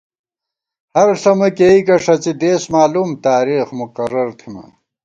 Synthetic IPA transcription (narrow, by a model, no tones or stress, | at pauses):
hɐɾɬɐmɐkeːikɐʂɐt͡sid̪eːsmaːlumt̪aːɾiːxmukɐɾɐɾt̪ʰimɐ̰